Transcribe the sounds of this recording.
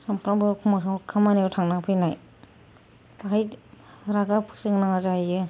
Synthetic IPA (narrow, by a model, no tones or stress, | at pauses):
sampanbɯkʰumaskʰamanewtʰaŋnaŋpʰɯjnaj | baɦajɾaɡapʰɯ̥sɯŋnaŋazahajɯ